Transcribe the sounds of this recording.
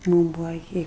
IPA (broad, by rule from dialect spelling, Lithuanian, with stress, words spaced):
ˈmuːm ˈbʊʋɐ ɪˈkʲɪ